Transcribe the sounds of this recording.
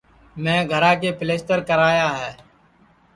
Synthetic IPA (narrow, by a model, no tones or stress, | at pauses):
mɛ̃ːɡʱəɾãːk̬eːpɪleːsʈ̪əɾkəɾaːjaːɦɛː